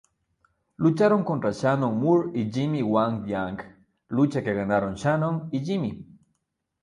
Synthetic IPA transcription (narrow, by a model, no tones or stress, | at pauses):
lʊt͡ʃaɾoŋkont̪ɾaʃanoŋmuɾid͡ʒimiwaŋd̪jaŋɡ | lut͡ʃakeɣanaɾoŋʃanoŋid͡ʒimi